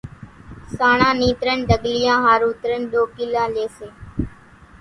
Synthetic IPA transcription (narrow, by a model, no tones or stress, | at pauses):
saːɳãːniːt̪ɾənɖ̪əɠlɪjãːɦaːɾuːt̪ɾənɗ̪oːkiːlãːleːseː